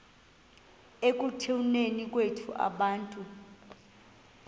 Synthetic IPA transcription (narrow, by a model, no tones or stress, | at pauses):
ek̬ʼutʰewunenik̬ʼwetʰuʔa̰ɓaːntʼu